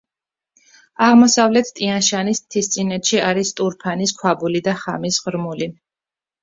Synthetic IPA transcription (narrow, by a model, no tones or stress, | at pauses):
aʁmɔsavlɛt̪ʰt̪ʼianʃanist̪ʰist̪sʼinɛt̪ʃiaɾist̪ʼuɾpʰaniskʰwabulid̪aχamisʁɾmuli